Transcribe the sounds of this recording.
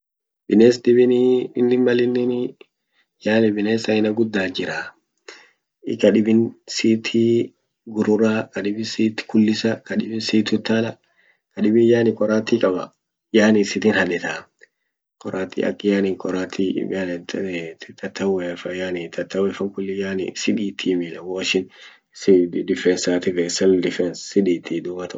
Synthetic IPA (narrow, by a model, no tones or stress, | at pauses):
bɪneːsdɪbɪnɪnːɪmɐlɪnːɪn | jaːnɪbɪneːsɐɪnɐɡʊd̪ːaːd͡ʒɪɾaː | ɪ̰kɐᶑɪbɪnsiːt̪ʰiː | ɡʊɾʊɾaːkɐᶑɪbɪsiːt̪ːɪ̥kʊlːɪsɐkɐɗɪbɪnsiːt̪ʊt̪ːaːlɐ | kɐᶑɪbɪjaːnɪkʼɔɾaːt̪ikʼɐbɐ̰ | jaːnɪsɪt̪inhɐᶑɛt̪aː | kʼɔɾaːt̪ːḭːʔɐ̰kʼːɪjaːnɪŋkʼɔɾaːt̪ʰḭant̪t̪ɐt̪ʰːɐwɛfɐjaːnɪt̪ɐt̪ːɐwɛfɐŋkʊlːɪjaːnɪ̰sɪᶑiːt̪ʰiːmɪlɐwoːʃɪn | sɪd̪ɪfɾɛnsaːt̪ɪfɛsɛld̪ɪfɛnssɪdiːt̪id̪ʊmɐt̪ɐ